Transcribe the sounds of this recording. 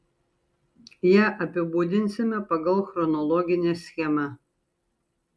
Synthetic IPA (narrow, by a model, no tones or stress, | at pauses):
jæʔɐpʲɪbud̪ʲɪnʲsʲɪmʲɛpɐɡɐlˠxɾɔnɔlˠɔɡʲɪnʲesʲxʲɛmɐ